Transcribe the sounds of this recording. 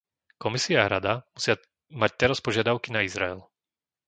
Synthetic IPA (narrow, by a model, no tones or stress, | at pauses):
kɔmisiaaɾad̪amusɪa | mac̚t̪ɛɾaspɔʒɪad̪aʊkinaizɾa̰ɛ̰l